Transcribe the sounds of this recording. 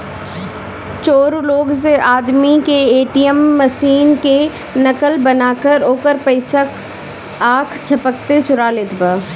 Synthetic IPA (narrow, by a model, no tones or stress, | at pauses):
t͡ʃoːɾloːɡs̬eʔaːd̪mikeeːʈijəmːɐsiːnke | nɐkəlbɐnaːkəɾoːkəɾpɐɪsəkʰ | aːkʰt͡ʃʰɐpək̚t̪et͡ʃʊɾaːleːt̪baː